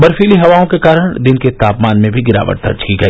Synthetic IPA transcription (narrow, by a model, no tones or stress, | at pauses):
bɐɾfiːliɦɐʋaːõkekaːɾəɽ̃d̪ɪnket̪aːpmaːnmẽbʱiɡɪɾa̰ːʋə̰ʈ̚d̪ɐ̰ɾd͡ʒkiɡɐiː